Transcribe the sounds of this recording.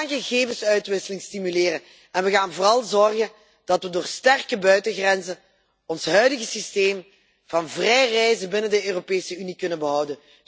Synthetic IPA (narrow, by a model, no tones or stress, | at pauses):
nɣəɣeːvənsœɥtʋɪsəlɪŋstimyleːrən | ɛnʋəɣaːnvoːrɑlˠzɔrɣən | d̥ɑtʋədʊːrstɛrkəbœɥtəɣrɛnzən | ɔnsɦœɥdəɣəsisteːm | vɑnvrɛjrɛjzəbɪnəndəøːropeːsəynikɵnənbəɦʌwdən